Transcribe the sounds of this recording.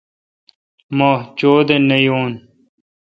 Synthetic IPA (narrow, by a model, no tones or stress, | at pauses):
moːt͡ɕoːd̪enɐjoːn